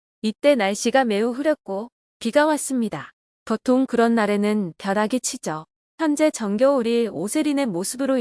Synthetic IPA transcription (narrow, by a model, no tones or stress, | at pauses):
it͈e̞naɭɕ͈iɡame̞uɸɯɾjʌk͈o | piɡawas͈ɯmɲida | potʰoŋkɯɾʌnːaɾe̞nɯnpjʌɾaɡit͡ɕʰid͡ʑʌ | çjʌnd͡ʑe̞t͡ɕʌŋɡjʌuɾiosʰe̞ɾine̞mosʰɯbɯɾo